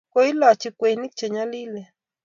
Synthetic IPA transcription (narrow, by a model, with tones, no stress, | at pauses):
ke˦i˦la˨t͡ʃi˧kwe˨ni˦k̚t͡ʃe˨ɲa˦li˦le˨